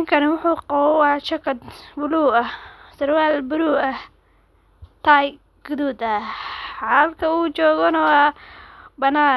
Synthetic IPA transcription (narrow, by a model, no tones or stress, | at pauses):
ŋkʰɐɾɐwʊħuːqɑwɔwɑːt͡ʃɐkʰɐd̪bʊluːɐhsɐɾwaːlbʊɾuːɐh | t̪ʰaj | ɡ̥ʊðuːd̪ɐħalkʰɐuːt͡ʃɔːɣɔnɐwɑː | bɐnaː